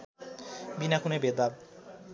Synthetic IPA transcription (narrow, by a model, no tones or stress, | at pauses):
binakunebed̪ab